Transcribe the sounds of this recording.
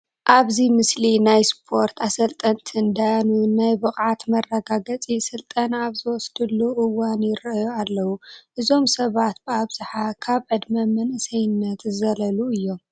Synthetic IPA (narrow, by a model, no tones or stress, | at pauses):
ʔaβzimɨslinajspʰo̞ɾt̪ʰasɐlt̪ʼɐnt̪ʰɨnd̪anunajbɨχʼʕat̪mɐrːɐɡaɡɐt͡sʼisɨlt̪ʼɐnaβzɨwɔsd̪ɨlːuʔɨwanjɪɾɐʔjoalːɐwuʔɨzo̞msɐβat̪̚b̥ɨaβzɨħakʰaβʕɨd̪mɐmɐnʔɨsɐjɨnːɐt̪zɐlɐluɨjːo̞m